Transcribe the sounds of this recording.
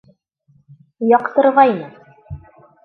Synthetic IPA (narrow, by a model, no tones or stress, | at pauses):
jɑqt̪ɤ̆ɾʁɑinɘ